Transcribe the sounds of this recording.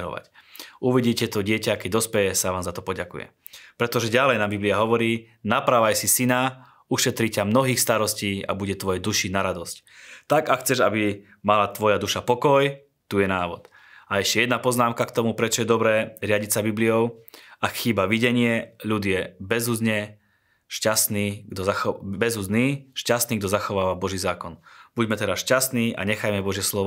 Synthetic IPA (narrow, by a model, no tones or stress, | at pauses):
ɾɔ̰ʋa̰cuʋiɟiːcɛt̪ɔɟɪɛcakɛd̪ɔspɛjɛsaʋaːmzat̪ɔpɔɟakṵjɛ̰ | pɾɛt̪ɔʒɛɟalɛjnaːmbibliaɦɔʋɔɾiː | napɾaːʋajsisina | uʃɛt̪ɾicamnɔɦiːxst̪aɾɔsciːa̰buɟɛt̪ʋɔjɛd̪uʃinaɾad̪ɔsc | t̪aɡaxt͡sɛʒabi | malat̪ʋɔjad̪uʃapɔkɔj | t̪uːjɛnaːʋɔ̰t̪ | aɛʃcɛjɛd̪napɔznaːmkakt̪ɔmupɾɛt͡ʃɔjɛd̪ɔbɾɛːɾɪaɟitsabibliɔʊakxiːbaʋiɟɛɲɪɛʎud̪ɪjɛbɛzuzɲɛ | ʃcast̪niːɡd̪ɔzaxbɛzuzniːʃcast̪niːɡd̪ɔzaxɔʋaːʋabɔʒiːzaːkɔnb̥uɟmɛt̪ɛɾasʃcast̪niːʔa̰ɲɛxajmɛbɔʒjɛslɔʋɔ